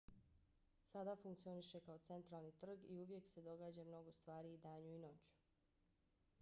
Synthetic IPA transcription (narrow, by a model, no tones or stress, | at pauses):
sad̪afuŋkt̪sio̞niʃe̞kao̞t̪se̞nt̪ɾaːlnit̪r̩ɡiuʋje̞kse̞d̪o̞ɡaːd͡ʑamno̞ɡost̪ʋaːɾid̪aːɲuino̞t͡ɕu̥